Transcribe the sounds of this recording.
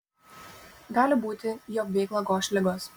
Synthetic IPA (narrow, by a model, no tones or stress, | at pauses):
ɡɑːlʲɪbuːt̪ʲɪjoːkʋʲɛɪklˠɐɡoːʃʲlʲɪɡoːs